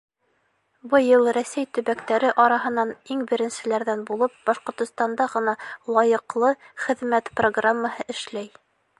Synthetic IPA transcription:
bɤjɤlˠɾæsæjt̪ɵ̆βækt̪æɾɘʔɑɾɑɦɤ̆nɑniŋbɘ̆ɾɘ̆nsɘ̆læɾðænbulˠɤp̚bɑʃqŏɾt̪ŏst̪ɑnd̪ɑʁɤ̆nɑlˠɑjɤ̆qlˠɤχɘ̆ðmæt̪proɡramːahɤʔɘ̆ʃlæj

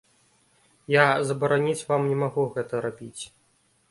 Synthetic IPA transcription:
jazɐbɐɾanʲit͡sʲvamnʲɛmaɣuɣɛt̪ɐɾabʲit͡sʲ

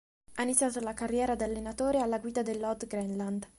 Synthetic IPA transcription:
ainit̪sːjaːt̪olakarːjɛːɾad̪alːenat̪oːɾealːaɡwiːd̪ad̪elːɔd̪ɡɾɛnland̪

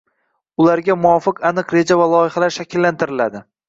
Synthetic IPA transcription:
ʊlaɾɡʲamʊɒfɨqanɨqɾe̞d͡ʒavalˠɒjɪhalaɾʃakʲʰɪlːant̪ʰɪɾɪlad̪ɪ

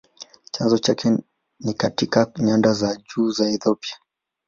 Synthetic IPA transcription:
t͡ʃanzɔt͡ʃakʰɛ | nikatikaɲandazaʄuːzaɛθɔpia

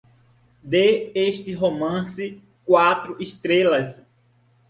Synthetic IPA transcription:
d̪eeʃt̪ɪɦomɐ̃sɪ | kwat̪ɾʊʔist̪ɾelɐs

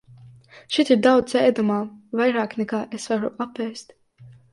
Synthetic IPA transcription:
ʃit̪iɾd̪aw̪sɛjd̪umaːvajɾaːknʲɛkaːʔesvaɾuʔapɛːst̪

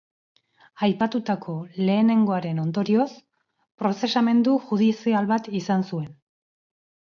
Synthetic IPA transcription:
ajpat̪ut̪akʰo̞le̞ːne̞ŋɡo̞aɾe̞no̞nd̪o̞ɾio̞s | pɾo̞se̞same̞nd̪uʝuðisialβat̪isansue̞n

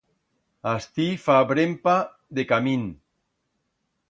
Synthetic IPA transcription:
ast̪ifabɾempa | ðekamin

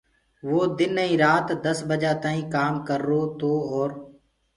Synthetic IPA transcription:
ʋoːd̪ɪnːəĩːɾaːt̪d̪əsbəd͡ʒaːt̪aːĩːkaːmkəɾːoːt̪oːɔːɾ

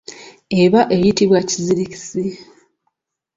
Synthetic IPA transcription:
eβaʔe̞jitiβwaciziɾici̥si

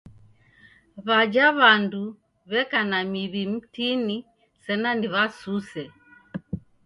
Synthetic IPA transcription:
βad͡ʒaβandu | βɛkanamiβim̩tini | sɛnaniβasusɛ

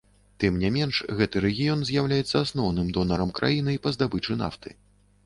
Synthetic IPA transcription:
t̪ɨmnʲɛmʲɛnʂɣɛt̪ɨɾɛɣʲijɔnzʲjawlʲajɛt̪sːɐasnɔwnɨmd̪ɔnɐɾɐmkɾa̰jinɨipɐzd̪abɨt͡ʂɨn̪a̰ft̪ɨ̰

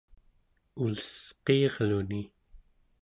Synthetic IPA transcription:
uləsqeːʁluni

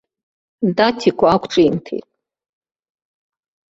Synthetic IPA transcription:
datʰikʷʰaakʷʰʈ͡ʂʼintʰḛtʼ

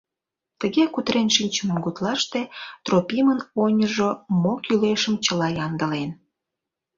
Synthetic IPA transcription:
t̪əɣekut̪ɾenʃinʲt͡ɕəməmɡut̪lɑʃt̪et̪ropʲimənonʲəʒomokyleʃəmt͡ɕəlɑjɑnd̪ə̆len

